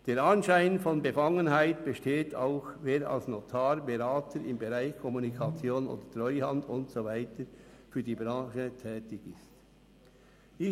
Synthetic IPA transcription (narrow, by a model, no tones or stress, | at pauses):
d̥eːɾɑnʃaɪnfɔnbefɑŋənɦaɪtb̥eʃteːtʰa̰ʊxveːɾa̰lsnotʰaːɾbeɾaːtʰəɾɪmbeɾaɪçkʰɔmunikʰɑt͡sjoːno̰ːd̥ətrɔʏhɑndʊntsovaɪtəfyːɐdiːbɾɑ̃ːʃətʰɛːtɪɡɪst | ɪ